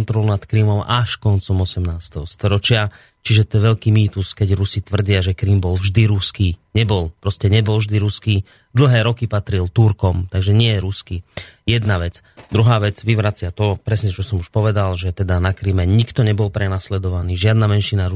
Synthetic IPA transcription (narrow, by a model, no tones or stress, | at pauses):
nt̪ɾɔlunat̪kɾimɔmaʃkɔnt͡sɔmɔsɛmnaːst̪ɛɦɔst̪ɔɾɔt͡ʃɪa | t͡ʃiʒɛt̪ɔɛʋɛʎkiːmiːt̪uskɛɟɾusit̪ʋr̩ɟɪaʒɛkɾimbɔlvʒd̪iɾuskiːɲɛbɔlpɾɔscɛɲɛbɔlvʒd̪iɾuskiː | d̪l̩ˠɦɛːɾɔkipat̪ɾilt̪uɾkɔmt̪aɡʒɛɲɪɛjɛɾuskijɛd̪naʋɛt͡sd̪ɾuɦaːʋɛd͡zʋiʋɾat͡sɪat̪ɔpɾɛsɲɛt͡ʃɔsɔmuʃpɔʋɛd̪alʒɛt̪ɛd̪anakɾimɛɲikt̪ɔɲɛbɔlpɾɛnaslɛd̪ɔʋaniːʒɪad̪namɛnʃinaɾu